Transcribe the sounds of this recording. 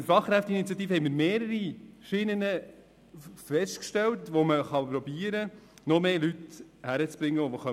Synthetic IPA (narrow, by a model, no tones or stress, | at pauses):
fɑχːɾæftinitt͡sjɑtiːfəhɛɪmiːɾmeːɾəɾiʃinənə | fɛstkʃtɛltʋoməχɑpɾɔbiəɾənɔmeːlythæɾət͡sb̥ɾɪŋːəovoχœ